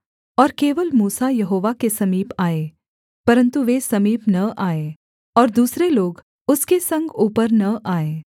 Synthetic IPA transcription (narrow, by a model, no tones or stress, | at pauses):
ɔːɾkeːʋəlmuːsajɐɦoːʋakesɐmiːpaːeː | pɐɾə̃nt̪uʋesɐmiːpnɐʔaːe | ɔːɾd̪uːsɾeloːɡ | ʊskesɐ̃ŋɡuːpəɾnɐʔaːeː